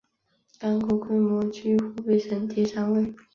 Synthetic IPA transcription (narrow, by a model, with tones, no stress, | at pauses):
t̪a˥nkʰo˧˥˩kʰwe˥ɪmwɔ˧˥t͡ɕʰy˥xu˧˥pe˥˩ɪʂə˧˥nt̪ʰi˧˥ʂa˥ŋwe˥˩ɪ